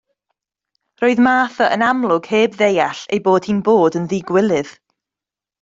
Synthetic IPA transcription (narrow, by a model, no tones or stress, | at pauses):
roːɨðmaːθəʔənamlˠʊɡ̥heːbðejaɬḛjboːd̥hiːnboːdənðiːɡwɪlˠɨð̥